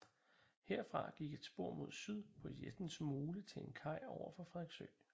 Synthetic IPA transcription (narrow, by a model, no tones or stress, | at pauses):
heɐ̰fʁɑ̈ɡ̥iɡ̥e̝d̥sb̥o̝ɐ̰mo̝ð̞̰ˠsyð̞̰ˠpʰɒ̽jed̥n̩smoːlət͡sʰe̝enkʰɑ̈ɪ̰ɒʊɐfɒ̽fʁɛðˠɡ̥søɪ